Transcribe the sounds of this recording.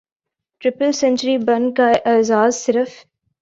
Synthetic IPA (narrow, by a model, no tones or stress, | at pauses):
ʈɾɪpəlsɛ̃ɲt͡ʃəɾibɐ̃nkaʔɪːzaːzsɪɾəf